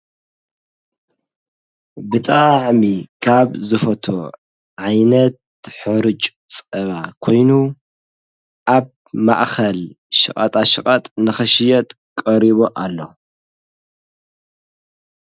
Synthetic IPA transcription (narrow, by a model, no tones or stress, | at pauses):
bɨt̪ʼaʕmikʰaβzɨfɐt̪ʰo | ʕajnɐt̪ | ħɨɾɨt͡ʃʼ | t͡sʼɐβakʰo̞jnu | ʔaβ | ma̰ʔxɐl | ʃɨkʼɐ̰t̪ʼaʃɨkʼɐt̪ʼnɨxɐʃɪjɐt̪ʼ | kʼɐɾiβoʔalːo̞̰